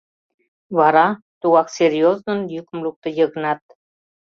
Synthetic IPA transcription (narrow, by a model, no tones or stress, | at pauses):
βɑɾɑ | t̪uɣɑksʲeɾʲjoznə̆njykʲə̆mluk̚t̪ɤ̆jɤ̆ɣɤ̆nɑt̪